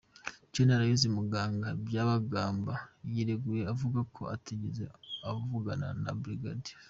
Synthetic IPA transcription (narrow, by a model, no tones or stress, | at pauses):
conaɾajizimuɡaːŋɡabjaβaɡaːmbajiɾeɡuje̞avuɡakʰo̞̰atiɟeze̞̰avuɡana̰na̰bɾiɡadi̥